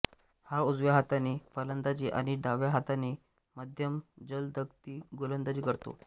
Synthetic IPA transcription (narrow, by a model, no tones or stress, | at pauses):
haud͡zʋjaɦat̪aniːpələnd̪at͡ɕiːʔa̰ɽ̃iɖaʋjaɦat̪anːiː | məd̪ʱjəmd͡zəld̪ʱəkt̪iːɡolənd̪ad͡ʑiːkəɾt̪o̰